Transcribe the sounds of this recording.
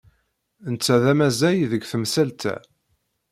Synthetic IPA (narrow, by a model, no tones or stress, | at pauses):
ənt͡sːæðæmæzæjðəɡθəmsælt̪æ̰